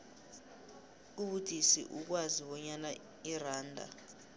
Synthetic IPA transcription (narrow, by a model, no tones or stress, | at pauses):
uɓud̥ʱisḭʔuk̬waziɓɔɲana | iraːndʱa̰